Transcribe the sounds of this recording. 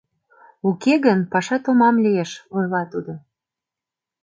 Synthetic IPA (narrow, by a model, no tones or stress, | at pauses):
ukeɣənpɑʃɑt̪omɑmlieʃojlɑt̪ud̪o